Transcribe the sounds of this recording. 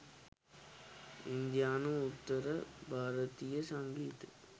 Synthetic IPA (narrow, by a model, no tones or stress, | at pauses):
ɪnd̪ɪjaːnɯʊt̪ːɐɾɐbʱaːɾɐt̪ijɐsɐŋɡiːt̪ɯ